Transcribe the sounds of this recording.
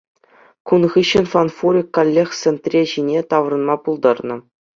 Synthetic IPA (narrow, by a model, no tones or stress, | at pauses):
kunʁɯɕɘ̆nfanfuɾʲikːolʲːext̪sĕnt̪rʲeʑinʲet̪ɑʋ̆rɤ̆nmɑpulˠd̪ɑrnɤ̆